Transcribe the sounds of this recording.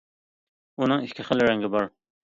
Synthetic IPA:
unɨŋiʃʲkʰʲɪχəlɪɾɛŋɡʲɪbɑɾ

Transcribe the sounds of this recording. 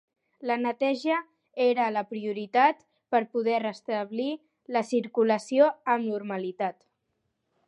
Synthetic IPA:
lənət̪ɛʒə | eɾələpɾiuɾit̪at̪ | pəɾpuðɛrəst̪əβli | ləsiɾkuləsioəmnuɾməlit̪at̪

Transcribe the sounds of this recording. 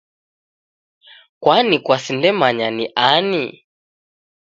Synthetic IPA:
kwanikwasindɛmaɲaniʔani

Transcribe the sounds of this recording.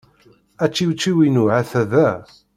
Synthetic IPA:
æt͡ʃːiwt͡sːiwinuʕaθæðæ

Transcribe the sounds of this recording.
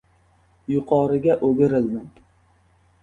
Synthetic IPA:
jʊqʰɒɾɪɡʲaʔoɡʲɪɾɪld̪ɪŋ

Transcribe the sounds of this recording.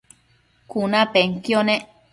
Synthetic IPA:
kunãpeŋkjonẽ

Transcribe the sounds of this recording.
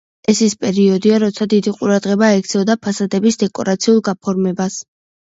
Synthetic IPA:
ɛsispʼɛɾiɔd̪iaɾɔt̪sʰad̪id̪iqʼuɾad̪ʁɛbaɛkʰt̪sʰɛɔd̪apʰasad̪ɛbisd̪ɛkʼɔɾat̪sʰiulˠɡapʰɔɾmɛbas

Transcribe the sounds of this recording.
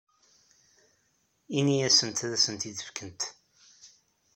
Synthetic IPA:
iniæsənt̪ðæsənt̪iðəfkənt̪

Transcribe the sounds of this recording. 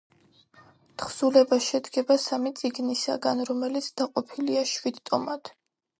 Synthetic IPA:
t̪ʰχz̥ulɛbaʃɛd̪ɡɛbasamit̪sʼiɡnisa̰ɡanɾɔmɛlit̪sʰd̪̥aqʼɔpʰiliaʃwid̪t̪ʼɔmad̪̥

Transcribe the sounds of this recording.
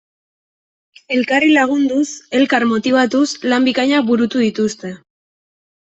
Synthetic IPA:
e̞lkarilaɣ̞und̪use̞lkaɾmo̞t̪iβat̪uslambikaɲak̚buɾut̪uðit̪ust̪e̞

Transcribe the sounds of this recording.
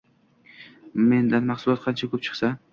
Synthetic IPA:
me̞nd̪anmɑχsʊlˠɒt̪̚qʰɑnt͡ʃʰakʰɵp̚t͡ʃʰɨ̥χsa

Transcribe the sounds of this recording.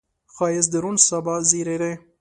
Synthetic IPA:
xɑjes̬d̪əɾunsabɑziɾeɾe

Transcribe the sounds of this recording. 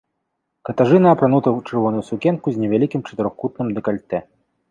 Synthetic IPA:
kɐt̪aʐɨnɐːpɾanut̪ɐwt͡ʂɨrvɔnujusukʲɛnkuzʲnʲɛvʲalʲikʲimt͡ʂɐ̥t̪ɨɾɔxkut̪nɨmd̪ɨkalʲt̪ɛ

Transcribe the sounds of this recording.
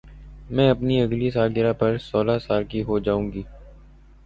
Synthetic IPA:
mɛ̃ːɐpniɐɡlis̬aːlɡɪɾapɐɾsɔːlasaːlkiɦod͡ʒaːũːŋɡiː

